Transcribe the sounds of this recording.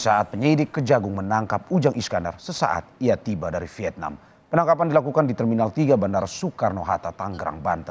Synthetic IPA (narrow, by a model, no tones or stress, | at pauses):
saat̪̚pəɲəidɪkːəd͡ʒaɡʊŋmənaŋkap̚ud͡ʒaŋiskanda̰rsəsa̰ʔa̰t̪̚ijat̪ibadaɾifiɛt̪̚na̰m | pənaŋkapandilakukandit̪ərminalt̪iɡabandarsukarnoɦat̪at̪aŋɡɾa̰ŋba̰nt̪ə